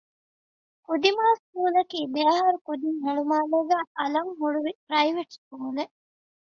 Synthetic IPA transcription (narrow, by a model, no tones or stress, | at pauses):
kud̪imaːskuːlɐkiːb̪eɐɦɐɾukud̪iŋɦeɭumaːlɐːɡæːʔɐlɐŋɦuɭuʋipɾɐiʋeʈskuːle